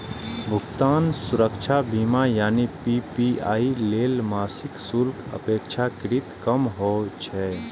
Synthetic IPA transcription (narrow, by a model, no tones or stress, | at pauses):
bʱʊɡt̪aːnsʊɾəkt͡ʃʰabʱiːmajaːnipipiaːileːlmaːsɪksulkə̰peːkt͡ʃʰakɪɾit̪kəmɦot͡ʃʰɛ